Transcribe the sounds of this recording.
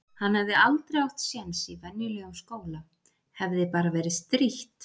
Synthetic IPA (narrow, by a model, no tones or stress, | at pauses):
hanhɛvðɪalt̪ɾawxt̪sjɛnsivɛnjʏlœɣʏmskoːwla | hɛvðɪpaːɾavɛːɾɪst̪ɾiht̪